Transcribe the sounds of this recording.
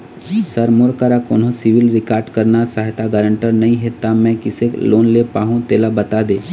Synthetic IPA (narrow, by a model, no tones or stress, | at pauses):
sɐɾmoɾkaɾakoːnɦõsɪʋɪlɾɪkaːɾɖkəɾnasaːɦt̪aɡəɾə̃ɳʈəɾnɐɦĩɦet̪amɛ̃kɪsekloːnlepaːɦũt̪eːlabɐt̪ad̪eː